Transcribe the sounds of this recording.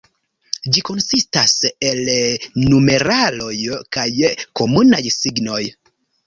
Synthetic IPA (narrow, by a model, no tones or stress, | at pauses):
d͡ʒiko̞nsistase̞lnume̞ɾalo̞jkajko̞munajsiɡno̞j